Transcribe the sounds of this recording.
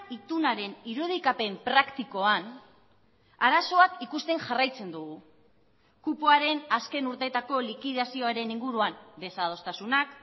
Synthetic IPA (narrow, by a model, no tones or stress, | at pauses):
it̪unaɾe̞niɾuð̞ikape̞mpɾakt̪iko̞an | aɾaso̞akikust̪e̞ŋʝarajt͡se̞nd̪uɣ̞u | kupoaɾe̞naske̞nuɾt̪et̪ako̞likiðasio̞aɾe̞niŋɡuɾuambe̞sað̞o̞st̪asunak